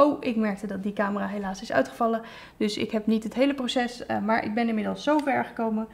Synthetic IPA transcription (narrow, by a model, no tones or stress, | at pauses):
owɪkmɛɹk̚tədɑt̚dikaːməraːɦejlaːsɪsœ̰ɥtχəv̥ɑlə | dɵsɪ̰kɦɛpnitɦətɦejləprowsɛsmaːɹʔɪ̰ɡ̚bɛnɪnmɪdəlˠsːowvɛɹχə̥kowmə